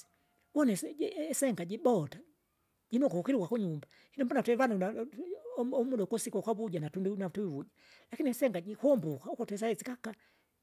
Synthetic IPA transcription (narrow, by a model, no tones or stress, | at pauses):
wɔnɛssɛŋɡaɟibɔta | ɟinɔkuukiɾikwakuɲumba | hinɔmbɔnatwɛvanuna | ɔmuɗɔukɔsikakaβuɟanatundinatuwiβuɟa | lakiniɛsɛŋɡaɟikɔmbukaukɔtɛs̬aɛt͡sikaka